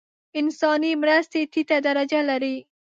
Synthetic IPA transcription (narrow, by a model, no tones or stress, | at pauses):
ɪnsɑnimɾast̪et̪it̪ad̪aɾad͡ʒalaɾi